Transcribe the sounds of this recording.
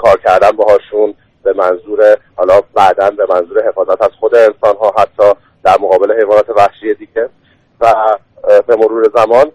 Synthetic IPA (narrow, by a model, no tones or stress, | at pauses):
kʰɒːɾcʰæɾd̪ænbeɦɒːʃun | b̥e̞mænzuːɾehɒːlɒːbæd̪ænbe̞mænzuːɾe̞ɦe̞fɒːzæt̪æz̥xod̪e̞ːnsɒːnɦɒːɦæt̪ʰːɒː | d̪̥æɾmoɣɒːbe̞le̞ɦe̞jvɒːnɒːt̪ʰe̞væhʃiːjed̪iːɟe | væ | bemo̞ɾuːɾe̞zæmɒːn